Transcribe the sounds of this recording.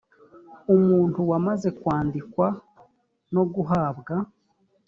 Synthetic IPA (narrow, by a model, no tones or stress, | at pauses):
umuːntuwamaze̞kwaːndikwa | no̞ɡuɦaːbɡa